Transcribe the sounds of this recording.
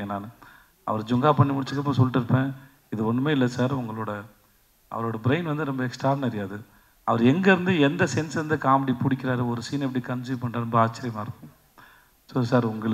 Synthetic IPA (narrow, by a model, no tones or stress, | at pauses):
ɐnaːnɯ | ɐ̰ʋɐɾd͡ʒʊŋɡaːpɐɳːimʊɽɪt͡ʃːɯkːɐpːõsɔlːʈːɪɾɯpːẽː | ɪðɯɔɳːɯmeːɪlːɐsaːɾʊŋɡɐɭoːɽɐ | ʔɐ̰ʋɐɾoːɽɐbɪɾɐɪnʋɐnd̪ɯɾɔmbɐɛksʈɾaːnɐɾɪjaːðɯ | ɐʋɐɾɛŋɡɐɪɾɯnd̪ɯɛnd̪ɐsɛnsɾɯnd̪ɯkaːmɐɽipʊɽɪkʲːɪɾaːɾɯɔɾɯsiːnɛp̬ːɐɽikɐnsipɐɳɖaːɾɔmbɐaːt͡ʃːɪɾɪjɐmaːɪɾɯkːʊ̃m | soːsaːɾʊŋɡɐɭ